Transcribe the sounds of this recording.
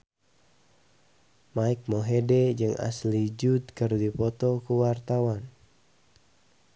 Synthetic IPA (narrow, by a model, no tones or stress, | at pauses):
maik̚moɦedɛd͡ʒɨŋa̰slid͡ʒud̪kɨrdipɔt̪ɔkuwart̪awan